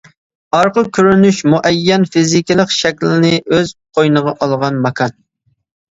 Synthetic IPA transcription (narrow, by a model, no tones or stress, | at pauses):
ɑɾqəkʲʰyɾynyʃmuʔɛjːɛnfizɪkʲilˠəqʃɛkʲlɪɪnɪʔøzqʰojnəʁɑʔɑlˠʁɑnmɑkʰɑn